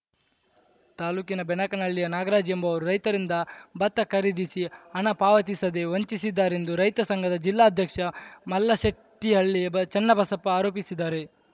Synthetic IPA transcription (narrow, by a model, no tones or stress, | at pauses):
t̪aːluːkinɐbɛnɐkɐnɐɭːijɐnaːɡɐɾaːd͡ʒjɐmbɐʋɐɾuɾɐjt̪ɐɾind̪ɐbɐt̪ːɐkɐɾid̪isiɐɳɐpaːʋɐt̪isɐd̪e̞ʋoɲt͡ʃisid̪ːaːɾe̞nd̪uɾɐjt̪ɐsɐŋɡɐd̪ɐd͡ʒilːaːɐd̪ʱjɐkʂɐmɐlːɐʃɐtʈ̪iɐɭːijɐbɐt͡ʃɐnːɐbʱɐsɐpːɐaːɾoːpisid̪aːɾe̞